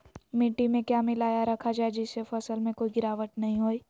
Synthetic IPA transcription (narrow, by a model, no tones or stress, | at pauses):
mɪʈːimẽkjaːmɪlaːjaɾɐkʰad͡ʒaːed͡ʒɪsefɐsəlmẽkoːiɡɪɾaːʋəʈnɐɦĩɦoːiː